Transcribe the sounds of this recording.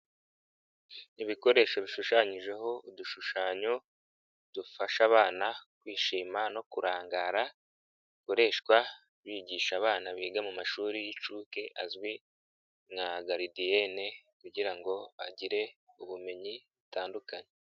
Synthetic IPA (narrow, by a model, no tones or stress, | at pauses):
iβiko̞ɾe̞ːʃoβiʃuʃaːɲiʒe̞ɦo̞uduʃuʃaːɲo | d̥ufaʃaβaːnakwiːʃiːmano̞kuɾaːŋɡaɾa | ko̞ɾe̞ːʃkwa | βiɟiːʃaβaːnaβiːɡamumaʃuːɾijit͡ʃuːke̞ʔa̰zwi | ŋaɡaɾidiene̞kuɟiɾaŋɡo̞βaɟiɾe̞uβume̞ɲiβutaːndukaɲe